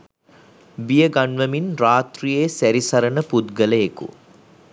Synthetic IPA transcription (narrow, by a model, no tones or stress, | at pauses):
bijəɡanʋəminraːt̪rijesæɾisaɾənəpud̪ɡələekṵ